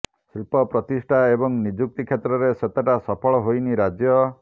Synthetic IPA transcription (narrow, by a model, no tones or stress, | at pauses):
silpɔpɾɔt̪isʈʰaebɔŋnid͡ʒuk̚t̪ikʰjet̪ɾɔɾeset̪eʈasɔpʰɔɭɔɦojniɾad͡ʒjɔ